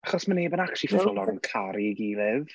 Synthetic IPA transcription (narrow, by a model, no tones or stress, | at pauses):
aχɔsmaneːbənakʰʃifɔɔlˠɔɾənkʰaɾiɡilɪv